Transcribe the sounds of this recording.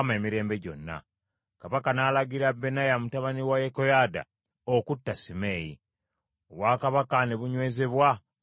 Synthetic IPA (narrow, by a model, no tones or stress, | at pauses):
me̞miɾe̞ːmbe̞ɟo̞̰nːa̰ | kaβakanaːlaɡiɾabːe̞najamutaβaniwajekojaːda̰ | okutːasime̞ːjḭ | oβwaːkaβakaneβuɲwe̞ːze̞βwa